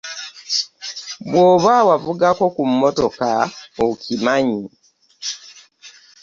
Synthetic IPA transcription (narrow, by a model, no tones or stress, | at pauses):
βwoːβawavuɡako̞kumːoto̞kaokimaɲi